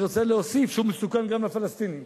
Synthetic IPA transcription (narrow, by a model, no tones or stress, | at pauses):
ʁot͡seleosifʃumːesukanɡamlafalast̪ini